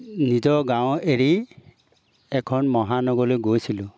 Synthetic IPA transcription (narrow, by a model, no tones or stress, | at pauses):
nizɔɡaweɹi | ɛkʰɔnmɔɦanɔɡɔlojɡojsilʊ